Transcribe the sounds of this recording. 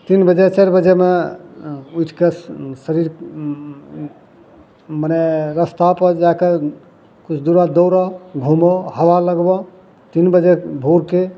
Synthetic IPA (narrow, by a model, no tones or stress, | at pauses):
t̪inbəd͡ʒet͡ʃeɾbəd͡ʒeme | ujʈʰkesəɾiɾ | maneɾəst̪apəd͡ʒake | kut͡ʃʰd̪uɾad̪oɾɔɡʱumɔhəʋaləɡbɔ | t̪inbəd͡ʒebʱoɾke